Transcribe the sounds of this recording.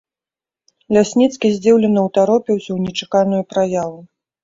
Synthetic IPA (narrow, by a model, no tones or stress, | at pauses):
lʲasʲnʲit̪skʲizʲd͡zʲiwlʲɛnɐwt̪aɾɔpʲiwsʲɐwnʲɛt͡ʂakanujupɾajavu